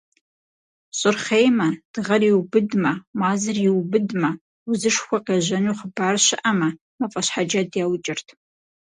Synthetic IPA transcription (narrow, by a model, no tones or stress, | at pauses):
ɕʼɨrχejmɐd̥ɨʁɐriwbɨdmɐmaːzɨriwbɨdmɐ | wuzɨʂxʷɐqeːʑɐnuχəbaːrɕɪʔɐmɐ | mɐfʼɐɕħad͡ʒɐdjaːwt͡ʃʼɪrtʰ